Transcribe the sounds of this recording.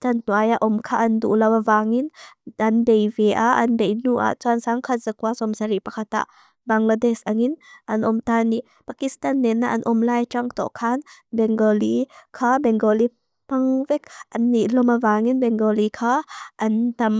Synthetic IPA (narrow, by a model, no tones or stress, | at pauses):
tantuajaʔɔmkʰaʔɐndṵʔlɐwavaŋinanbejvɛʔaʔɐnbejnuʔa̰ʔt͡sansaŋkʰazakuasɔmsaɾipakʰat̪a̰ʔ | baŋlad̪ɛsaŋinʔɐnʔɔmt̪ani | pakist̪anːɛnːaʔɐnʔɔmlajt͡ʃaŋt̪ɔ̰ʔkʰanbɛŋɡɔlikʰabɛŋɡɔli | paŋvɛk̚ʔanːiʔlɔmavaŋinbɛŋɡɔlikʰaʔɐnt̪ɐm